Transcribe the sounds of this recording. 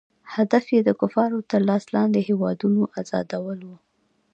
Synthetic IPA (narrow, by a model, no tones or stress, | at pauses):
had̪afjed̪əkʊfɑɾot̪əɾlɑslɑnd̪ehewɑd̪unoʔazɑ̰d̪awəlwu